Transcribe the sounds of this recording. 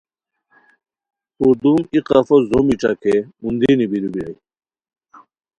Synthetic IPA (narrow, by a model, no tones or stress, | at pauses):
ud̪umiqafozomiʈ͡ʂɐ̰kʰeund̪inibiɾubiɾa̰j